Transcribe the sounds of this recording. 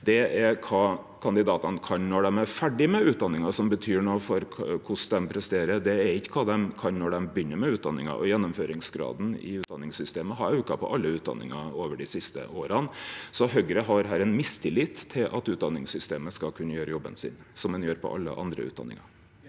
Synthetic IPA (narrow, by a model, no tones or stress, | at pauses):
d̪̥ɛɛkʰɑː | kʰɑnd̪ɪd̪ɑːt̪ɑnkʰɑnnɔɖɛmæɾfæɖɪmɛʉːt̪̚d̪ɑnːɪŋɑsɔmbət̪ʰyːɳoːfɔɾkʰʊsd̪ɛmpʰɾɛst̪eːɾəd̪ɛːɾɪkːə̥kʰɑːd̪ɛmkʰɑnnɔɖɛmbjʏnːəɾmɛʉːt̪̚d̪ɑ̰nːɪŋɑ̰ʔɔ̰jɛnːʊmføːɾɪŋsɡɾɑ̰ːd̪n̩ɪ̰ʉːt̪̚d̪ɑnːɪŋsʏst̪eːməɦɑɾʉkɑpʰɔ̰ʔɑlːəʉːt̪̚d̪ɑ̰nːɪ̰ŋɑoːʋəɖɪsɪst̪ə̰oːɾɑnsɔɦœɡɾəɦɑɾɦæːɾɛnmɪst̪ʰɪlːɪt̪ʰːɪlʔɑ̰t̪ʉːt̪̚d̪ɑnːɪŋsʏst̪eːməskɑlkʰʉnːəjøːɾəjɔbːə̰nsɪ̰nsɔmd̪ɛnjøːɾpʰɔ̰ʔɑ̰lːə̰ʔɑ̰nd̪ɾə̰ʉ̰t̪d̪ɑ̰nːɪ̰ŋɑ